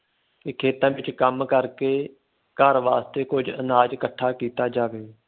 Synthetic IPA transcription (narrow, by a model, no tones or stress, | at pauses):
ɪkʰeːt̪ãːʋɪt͡ʃkəmkəɾkeː | kaːɾʋaːst̪ekʊd͡ʒʱɪnaːd͡ʒkəʈʰaːkiːt̪aːd͡ʒaːʋeː